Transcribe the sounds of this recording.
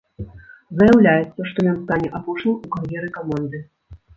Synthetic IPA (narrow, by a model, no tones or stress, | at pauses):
zɐjawlʲajɛt̪sːɐʂt̪ɔmʲanst̪anʲɛʔapɔʂnʲiukɐrjɛɾɨkɔmand̪ɨ